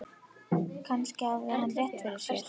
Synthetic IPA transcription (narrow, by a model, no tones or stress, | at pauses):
kʰanscɪavðɪhanrjɛht̪fɪɾɪɾ̥sɛl